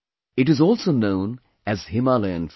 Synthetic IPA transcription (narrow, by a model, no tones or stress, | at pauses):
ɪʈɨzɔːlˠsoʊnõʊ̃n | ɨz̥hɪmalɛə̃nf